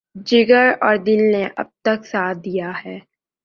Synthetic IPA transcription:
d͡ʒɪɡəɾɔːɾd̪ɪnneʔɐ̰b̚t̪əksaːd̪ijaɦɛː

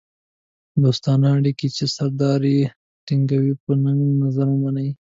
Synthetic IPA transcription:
b̪ʊst̪ɑnɑɽikit͡ʃesaɾd̪ɑɾi | tiŋɡawipənaŋɡnazaɾamanaj

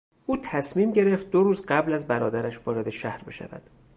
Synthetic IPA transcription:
ʔuːt̪ʰæsmiːmɟe̞ɾeft̪̚d̪oɾuːzɢæblæzbæɾɒːd̪æɾæʃvɒːɾe̞d̪e̞ʃæhɾbe̞ʃæ̰væ̰d̪̥

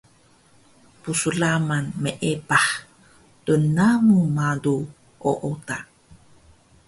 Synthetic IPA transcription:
pusulamanmeʔepaħ | tunamumadu | ʔoʔota

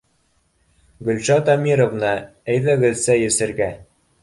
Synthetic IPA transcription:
ɡɵ̆lʲʃɑt̪ɑmʲiɾovnɤ | æjðæɡɘ̆ðsæjɘ̆sɘ̆ɾɡæ

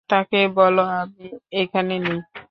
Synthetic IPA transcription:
t̪akebɔloabiekʰanenej

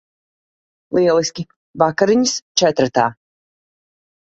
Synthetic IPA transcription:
lˠiɛlˠisʲkʲi | vakaɾiɲist͡ʃɛt̪ɾt̪aː

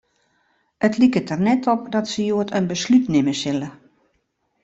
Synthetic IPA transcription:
ətlikətərnɛtɔp̚dɔtsəjoətənbəslytnɪməsɪlə

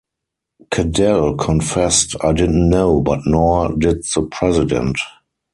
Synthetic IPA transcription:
kʰədɛlkʰɔ̃nfɛstaɪdɪdn̩tnoʊbatnɔdɪd̚ðəpʰɹɛzɪdɛ̰̃nt

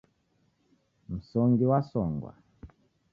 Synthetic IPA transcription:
m̩sɔŋɡiwasɔŋɡwa̰

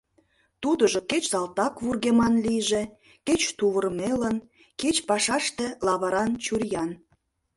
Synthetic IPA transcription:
t̪ud̪əʒoket͡ɕsɑlt̪ɑkβurɣemɑnlijʒĕ | ket͡ɕt̪uβərmelən | ket͡ɕpɑʃɑʃt̪ĕlɑβɑɾɑnt͡ɕurjɑn

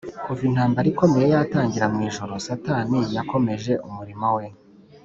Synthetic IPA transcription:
kuvin̥haːmbaɾiko̞me̞je̞jataːɲɟiɾamŋiːʒo̞ɾo̞satanijako̞me̞ʒe̞ʔumuɾimawe̞

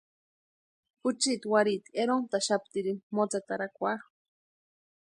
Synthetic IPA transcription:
pʊt͡ʃit̪waɾit̪eɾont̪aʃap̚t̪iɾimot͡sat̪aɾakʷaχ

